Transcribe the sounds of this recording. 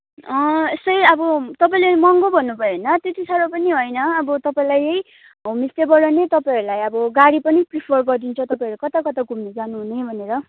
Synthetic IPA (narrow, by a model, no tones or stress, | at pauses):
ʌesʌjʌbʌt̪ʌpaĩlemʌŋɡobʱʌnːubʱʌjenʌt̪jet̪isʰʌɾʌpʌniɦojnʌːbʌt̪ʌpaĩlajej | mist̪ebʌɽʌnet̪ʌpaiɾulajʌbʌɡaɽipʌnipripʰʌrɡʌrd̪int͡sʰʌt̪ʌpãɾulekʌt̪akʌt̪aɡʱumnid͡zanuɦunejbʱʌneɾʌ